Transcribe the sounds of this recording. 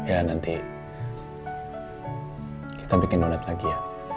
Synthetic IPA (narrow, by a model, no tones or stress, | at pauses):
janant̪i | ki̥t̪abikɪndolat̪laɡija